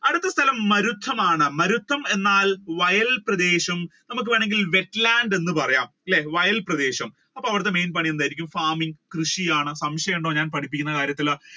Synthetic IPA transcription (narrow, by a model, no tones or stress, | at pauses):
ɐɽɨt̪ːɐst̪ʰɐlɐmːɐɾut̪ʰːɐmaːɳɨmɐɾut̪ʰːɐme̞nːaːlʋɐjɐlprɐd̪e̞ːɕɐmnɐmukːɨʋeːɳe̞ŋɡilʋe̞ʈːlaːɳɖe̞nːɨpɐrɐjaːmilːeʋɐjɐlprɐd̪e̞ːɕɐm | ɐpːoːɐʋiɽɨt̪ːeme̞jnp̬ɐɳijɐndaːjiɾikʲːumfaːmiŋɡkrɨʂijaːɳɨsɐmɕɐjeɳɖo̞ːɲaːnpɐʈʰip̬ːikʲːunːɐkaːɾjɐt̪ːil